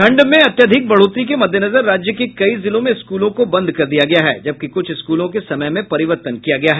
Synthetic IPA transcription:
kʰɐ̃ɳɖmẽɐt̪jəd̪ʱɪk̚bɐɽ̤oːt̪ɾik̬emɐd̪ʱjənɐzəɾːaːd͡ʒjəkekɐizɪlõmẽɪskuːlõkobɐ̃nd̪ʱkɐɾd̪ijaɡɐjaɦɛ̰ːd͡ʒɐb̚kikʊt͡ʃʰɪskuːlõkesɐməjmẽpɐɾɪʋəɾt̪ənkijaɡɐjaɦɛː

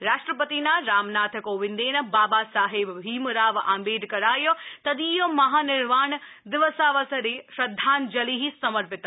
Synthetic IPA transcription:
ɾaːʂʈɾəpət̪inaɾaːmnaːt̪ʰəkoːʋɪ̃nd̪eːnɐ̆baːbasaːɦɪbɦiːmɾaːʋaːmbeːɖkɐɾaːjot̪ɐd̪iːjomɐɦaːnɪɾʋaːɳ | d̪ɪʋəsaːʋɐsɐɾeʃɾɐd̪ʱːaːnd͡ʒɐliɦisɐməɾpɪt̪

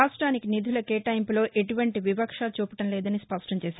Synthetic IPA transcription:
aːsʈɾaːnikinid̪ʱulɐkeːʈɐjmplo̞ːʔeʈuʋɐɳʈiʋibɐkʂaːt͡ʃuːpɐʈɐmlɛːd̪ɐnispɐʂʈɐɲt͡ʃɛːsa

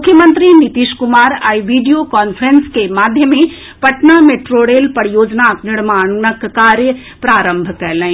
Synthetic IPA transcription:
mʊkʰːjəmə̃nt̪ɾinit̪iʃkumaːɾa̰ːiʋiɖijokɔːnfʰɾenskemaːd̪ʱjəmẽ | pɐʈnameʈɾoɽelpɐɽijoːd͡ʒnaknɪɽmaːnəkkaːɾjə | pɾaːɾə̃mbʱkɛlə̃

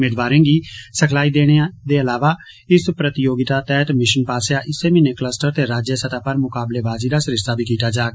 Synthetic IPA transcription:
meːd̪baːɾẽːɡiːsəkʰlaːid̪eːɽ̃ed̪eːəlaːʋaː | ɪspɾət̪ɪjoːɡɪt̪aːt̪ɛːt̪mɪʃənpaːsjaːʔɪseːmĩneːkləsʈəɾt̪eːɾaːd͡ʒjəsət̪aːpəɾmʊkaːbleːbaːziːd̪aːsəɾɪʃt̪aːbʱiːkiːt̪aːd͡ʒaːɡ

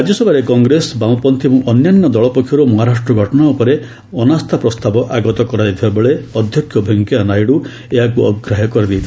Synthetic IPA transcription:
ad͡ʒjɔsɔbʱaɾekɔŋɡɾesbãw̃pɔnt̪ʰimũʔɔnjanːɔd̪ɔɭɔpɔkʰjɔɾumɔɦaɾasʈɾɔɡʱɔʈɔnaupɔɾe | ɔnast̪ʰapɾɔst̪abɔʔaɡɔt̪ɔkɔɾad̪it̪ʰibabeɭeɔd̪ʱjɔkʰːjɔbʱɔŋkjanajɽu | eɦakuɔ̰ɡɾaɦɔkɔɾid̪it̪ʰi

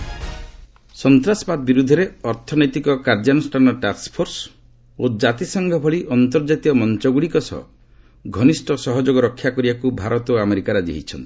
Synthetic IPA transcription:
sɔnt̪ɾasɔbab̪̚biɾud̪ʱɔɾeɔɾt̪ʰɔnɔjt̪ikɔkaɾd͡ʒanusʈʰanɔʈaspʰoɾs | od͡ʒat̪isɔŋɡʱɔbʱɔɭiʔɔnt̪ɔɾd͡ʒat̪iɔmɔnt͡ʃɔɡuɽikɔsɔ̰ | ɡʱɔnisʈʰɔsɔɦɔd͡ʒoɡɔɾɔkʰːjakɔɾibakubʱaɾɔt̪oameɾikaɾɔd͡ʒḛɦit͡ʃʰɔnt̪i̥

